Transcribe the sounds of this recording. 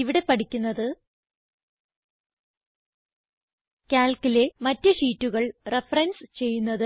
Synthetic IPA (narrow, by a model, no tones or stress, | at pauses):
iʋiɽe̞pɐʈikʲːunːɐðɨ | kʲaːlkile̞mɐtːɨʂiːtːuɣɐɭre̞fɐrɐnst͡ɕe̞jːunːɐðɨ